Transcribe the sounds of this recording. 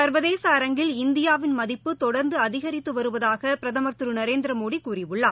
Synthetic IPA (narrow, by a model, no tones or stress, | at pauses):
sɐɾʋɐðeːsɐːɾɐŋɡɪlɪnd̪ɪjaːʋɪnmɐðɪpːɯt̪ɔɽɐɾnd̪ɯɐðɪɣɐɾɪt̪ːɯʋɐɾɯʋɐðaːɣɐpɪɾɐðɐmɐɾt̪ɯɾɯnɐɾeːnd̪ɪɾɐmoːɽikuːrɪʋɯɭːaː